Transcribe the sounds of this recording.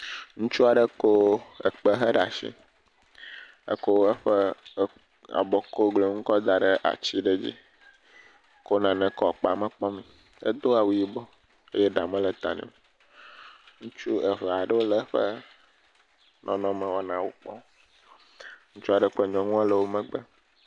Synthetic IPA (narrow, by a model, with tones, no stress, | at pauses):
ŋũ˦t͡ʃu˦a˨ɖə˦ko˦ə˨k͡pə˦ɦə˦ɖa˨ʃḭ̃˦ | ə̰˦ko˦ə˦ɸɛ˦ | a̰˨bɔ˨ko˦ɡle˨ŋũ˦kɔ˦d̪a˨ɖə˦ʔa̰˨t͡ɕi˦ɖe˦d͡ʑḭ˦ | ko˦nã˨nɛ̃˨kɔ˨k͡pa˨mɛ̃˦k͡pɔ˦mĩ˨ | ḛ˦d̪o˦a˨wu˨˦ji˦bɔ˦ | e˦jɛ˦ɖa˨mɛ̃˦lə˨t̪a̰˨nɛ̰̃˨o˨ | ŋũ˦t͡ʃu˦ə˨vɛ˨a˨ɖə˦wo˦lə˦ɸə̰˦ | nʔɔ̃˨nɔ̃˦mɛ̃˨wɔ˦nã˨wo˦k͡pɔ˦ | ŋũ˦t͡ʃu˦a˨ɖə˦k͡pe˦˨ɲɔ̃˨ŋũ˦a˦lə˨wo˦mɛ̃˦ɡ͡bɛ˦